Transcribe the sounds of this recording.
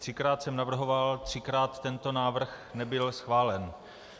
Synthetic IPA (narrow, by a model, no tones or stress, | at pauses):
t̪r̝̥ɪkɾaːt̪sɛmnavr̩ɦo̞valt̪r̝̥ɪkɾaːt̪ːɛnt̪o̞naːvr̩xnɛbɪlsxvaːlɛn